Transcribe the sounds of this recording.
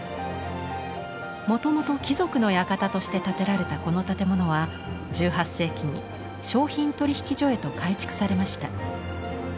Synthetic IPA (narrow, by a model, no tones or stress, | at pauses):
mo̞t̪o̞mo̞t̪o̞kʲizo̞kɯ̟no̞jakat̪at̪o̞ɕi̥t̪e̞t̪at̪e̞ɾaɾe̞t̪ako̞no̞t̪at̪e̞mo̞no̞β̞a | d͡ʑɨːɦasːe̞ːkʲiɲ̟ḭ | ɕo̞ːçĩnt̪o̞ɾʲiçi̥kʲiʑo̞e̞t̪o̞kait͡ɕi̥kɯ̥saɾe̞maɕi̥t̪a